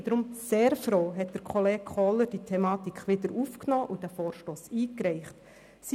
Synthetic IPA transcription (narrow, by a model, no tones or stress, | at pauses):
d̥̪ɾʊmseːɾfɾoːɦɛt̚d̥əɾkχɔleːɡ̥̚χɔləɾd̥itʰɛmɑːt̪ikχʋɪd̪əɾufknɔːʔʊd̥æfoːɾʃtoːsiːkɾɛɪχt | s